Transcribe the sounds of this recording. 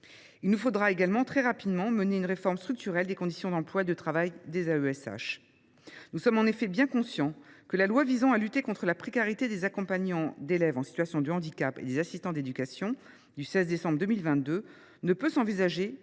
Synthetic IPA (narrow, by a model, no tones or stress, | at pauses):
ilnufod̪ʁaeɡalmɑ̃t̪χɛʁapid̪mɑ̃məneynʁefɔʁmst̪χyk̚t̪yʁɛld̪ekɔ̃d̪isjɔ̃d̪ɑ̃plwaed̪ət̪χavajd̪ezaøɛsa̰ʃ | nusɔmɑ̃nefɛbjɛ̃kɔ̃sjɑ̃kəlalwavizɑ̃alyt̪ekɔ̃t̪χəlapχekaʁit̪ed̪ezakɔ̃paɲɑ̃d̪elɛvɑ̃sit̪ɥasjɔ̃d̪əɑ̃d̪ikapḛd̪ezasist̪ɑ̃d̪ed̪ykasjɔ̃ | d̪ysɛzd̪esɑ̃bʁd̪əmilvɛ̃t̪̚d̪ø | nəpøsɑ̃vizaʒe